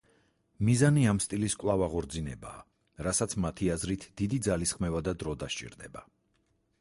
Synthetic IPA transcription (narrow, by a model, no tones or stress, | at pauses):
mizaniamst̪ʼiliskʼvlˠavaʁɔɾd̪zinɛba̰ː | ɾasat̪sʰmat̪ʰiazɾit̪ʰd̪̥id̪id̪zalisχmɛvad̪ad̪ɾɔd̪aʃt͡ʃʼḭɾd̪ɛba